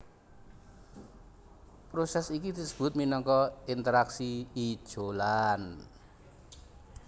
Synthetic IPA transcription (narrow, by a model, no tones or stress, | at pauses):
pɾosɛsikid̪̥isə̥b̥ʊ̤t̪̚minɔŋkɔint̪əɾaksiid̥ʒ̥olan